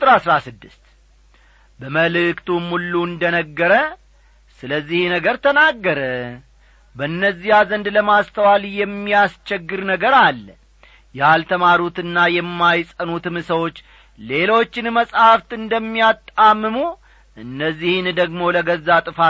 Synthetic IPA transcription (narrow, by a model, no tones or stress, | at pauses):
t̪ʼɨɾasɾasɨd̪ːɨst̪ | bəməlɨkt̪ʰumulːuɨnd̪ənəɡːəɾə | sɨləzːihnəɡəɾt̪ʰənaɡːəɾə | bənːəzːijazənd̪ləmast̪ʰəwaljɛmːijast͡ʃɛɡːɨɾnəɡəɾalː | jɛalt̪ʰəmaɾut̪ɨnːajɛmːajsʼənut̪ɨmɨsəwo̞t͡ʃː | le̞lo̞t͡ʃːɪnməsʼhaft̪ɨnd̪əmːijat̪ʼːamːɨmu | ʔɨnːəzːihnd̪əɡmo̞ləɡəzːat̪ʼɨfa